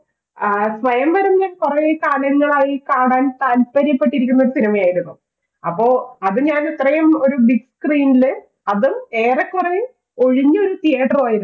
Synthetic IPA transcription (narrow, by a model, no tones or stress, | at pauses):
sʋɐjɐmbɐɾumɲɐkurɐkaːɳjɐŋːɐɭaːjikaːɳaːnt̪aːlpɐɾjɐpːeʈːiɾikʲːunːɐo̞ɾusinimɐjaːjiɾunːu | ɐpːo̞ːɐðɨɲaːnit̪rɐjɐmo̞ɾubiɡskriːnilɨ | ɐðume̞ːrekːure | o̞ɻiɲːɨo̞ɾut̪ijaːʈːɐraːjiɾ